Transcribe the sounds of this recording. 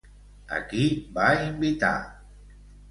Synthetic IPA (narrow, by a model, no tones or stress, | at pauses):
a̰kibaimbit̪a̰